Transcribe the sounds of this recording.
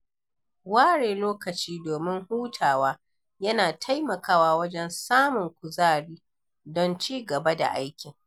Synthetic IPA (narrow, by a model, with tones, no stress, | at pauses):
waː˦ɽeː˨loː˦kɐ˨t͡ʃiː˦doː˨mɪ˦ŋhuː˦tʰaː˨waː˦ | jɐ˦naː˨tʰa˦jmɐ˨kaː˦waː˦wɐ˦d͡ʒɛ˦nsaː˦mʊ˨ŋkʷʊ˨zaː˦ɽiː˦ | dɔ˦nt͡ʃiː˦ɡɐ˨ba˦da̰˨ʔa˦jkʲɪ˨ŋ